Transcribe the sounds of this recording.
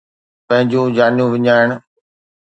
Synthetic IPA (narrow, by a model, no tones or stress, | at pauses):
pɐ̃ɦɪ̃ɲd͡ʑũːd͡ʑaːnijũʋɪɲaːɪɳ̃